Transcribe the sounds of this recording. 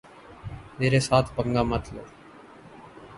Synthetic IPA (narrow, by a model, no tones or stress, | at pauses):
meːɾeːsaːt̪ʰpəŋɡaːmət̪ʰlo̰ː